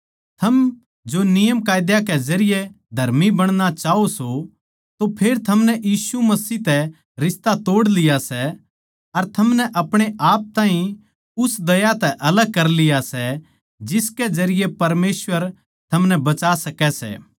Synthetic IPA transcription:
t̪ʰɐm | d͡ʒonɪjəmkaːjd̪jakɛzɐɾɪje | d̪ʱɐɾmibɐɽ̃ñat͡ʃaːoso | t̪opʰeːɾt̪ʰɐmnɛjiːsumɐsiːt̪ɛ | ɾɪst̪at̪oːɽlɪjasɛ | ɐɾt̪ʰɐmnɛʔɐpɽ̃eʔaːp̚t̪ãːɦĩ | ʊsd̪ɐjat̪ɛʔɐləɡ̚kɐɾlɪjasɛ | d͡ʒɪskɛd͡ʒɐɾɪjepɐɾmeːswəɾ | t̪ʰɐmnɛbɐt͡ʃaːsɐkɛsɛ̰ː

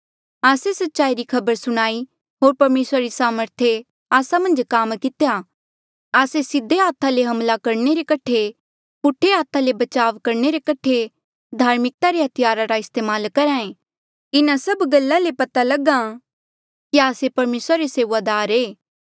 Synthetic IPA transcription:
aːsesɐtːʃaːiɾikʰɐbəɾsʊɽ̃aːi | ɦoːɾpɐɾmeːsɾaɾisaːməɾt̪ʰje | aːsamɐ̃nd͡ʒkaːmkɪt̪eja | aːsesɪd̪ʱːeɦaːt̪ʰaleɦɐmlakɐɾneɾekɐʈʰe | pʊʈʰːeɦaːt̪ʰalebɐt͡ʃaːʋkɐɾneɾekɐʈʰe | d̪ʱaːɾmɪk̚t̪aɾeɦɐt̪ʰɪjaːɾaɾaɪst̪eːmaːlkɐɾãːẽ | ɪnãsɐbɡɐlːalepɐt̪alɐɡã | kiaːsepɐɾmeːsɾaɾeseːʋad̪aːɾeː

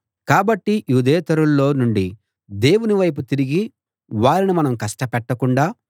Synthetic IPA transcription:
kaːbɐʈːijuːd̪ɛːt̪ɐɾulːo̞ːnuɳɖi | d̪e̞ːwuniʋɐjp̬ut̪iɾiɡi | ʋaːɾinimɐnɐmkɐsʂʈɐpɛʈːɐkuɳɖaː

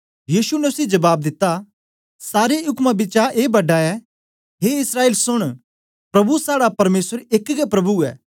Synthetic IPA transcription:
jiːsunɛʊsid͡ʒɐbaːb̚d̪ɪt̪ːa | saːɾeɦʊkmabɪt͡ʃaʔeːbɐɖaɛ | ɦeːɪsɾaːeːlsʊɽ̃ | pɾɐbusaːɽapɐɾmeːsəɾekɡɛpɾɐbuɛ̰ː

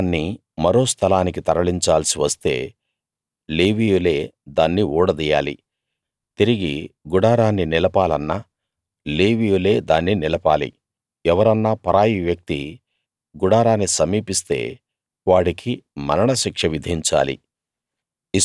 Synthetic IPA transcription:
nːi | mɐɾo̞ːst̪ʰɐlaːnikit̪ɐɾɐɭiɲt͡ʃaːlɐsiʋɐst̪e̞̰ː | leːʋijule̞ːd̪aːnːiuːɽɐd̪ija̰ːlḭ | t̪iɾiɡiɡuɽaːɾaːnːinilɐpaːlɐnːa | leːʋijule̞ːd̪aːnːinilɐpaːlḭ | ɛʋɐɾɐnːaːpɐɾaːjiʋjɐk̚t̪i | ɡuɽaːɾaːnːisɐmiːpist̪e̞̰ː | ʋaːɽikʰimɐɾɐɳɐʃikʂɐʋid̪ʱiɲt͡ʃa̰ːlḭ

